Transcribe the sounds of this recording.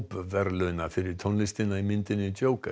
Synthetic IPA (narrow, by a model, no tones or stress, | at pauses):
pvɛɾlœnafɪɾɪɾ̥t̪ʰɔnlɪst̪ɪnaimɪnt̪ɪnːɪt͡ɕ̪oːwka